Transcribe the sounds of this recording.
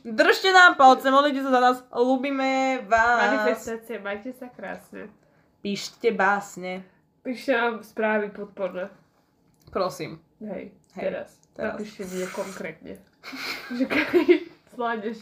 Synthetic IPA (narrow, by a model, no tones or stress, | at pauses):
d̪r̩ʃcɛnaːmpalt͡sɛmɔd̪lic̬ɛs̬azanaːsluːbimɛɛʋaːmanifɛst̪aːt͡siɛmajcɛsakɾa̰ːsɲɛ̰ | piːʃcɛbaːsɲɛ | piːʃcɛnamspɾaːʋipɔt̪̚pɔɾnɛ | pɾɔsḭːm | ɦɛ̰j | ɦɛɛɾa̰s | t̪ɛaɾa̰piʃcɛmɛkɔŋkɾɛːt̪ɲɛ̰ | ʒɛkazlaɲɛʃ